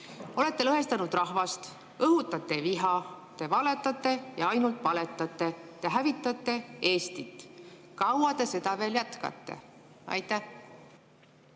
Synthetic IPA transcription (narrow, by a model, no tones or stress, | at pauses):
o̞le̞t̪ːe̞lɤɦe̞st̪ɑnud̪̥rɑɦvɑst̪ | ɤɦut̪ːˑɑt̪ːˑe̞viɦɑ | t̪e̞vɑle̞t̪ːˑɑt̪ˑːe̞jɑɑjnult̪ˑvɑle̞t̪ːˑɑt̪ːˑe̞t̪e̞ɦævit̪ˑːɑt̪ˑːe̞e̞ːst̪it̪ːˑkɑwɑt̪e̞se̞d̪ɑve̞ːljæt̪kɑ̰t̪ːe̞̰ | ɑ̰jt̪ˑːæh